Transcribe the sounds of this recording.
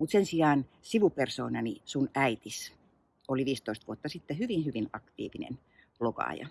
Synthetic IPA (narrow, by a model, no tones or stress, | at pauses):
mut̪sensiɑːn | siʋuperso̰ːnɑnisunæit̪is | oliʋiːst̪oist̪ʋuot̪ːɑsit̪ːehyʋinhyʋinɑkt̪ḭːʋinḛn | ploɡɑ̰ːjɑ̰